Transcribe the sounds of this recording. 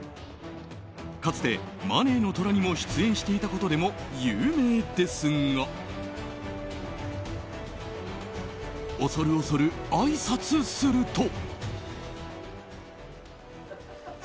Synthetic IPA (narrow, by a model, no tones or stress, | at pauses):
kat͡sɨ̥t̪e̞ma̰ne̞ːno̞t̪o̞ɾaɲ̟imo̞ɕi̥t͡sɨẽ̞ɰ̃ɕi̥t̪e̞it̪ako̞t̪o̞d̪e̞mo̞jɯːme̞ːd̪e̞sɨŋɡa | oso̞ɾɯ̟oso̞ɾɯ̟aisat͡sɨsɨɾɯ̟t̪o̞